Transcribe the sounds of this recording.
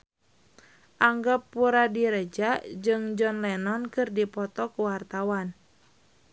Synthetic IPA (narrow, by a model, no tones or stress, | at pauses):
ʔaŋɡapːuɾadiɾəd͡ʒaʔd͡ʒɨŋd͡ʒɔnlɛnɔnkɨrdipɔt̪ɔkuwart̪awan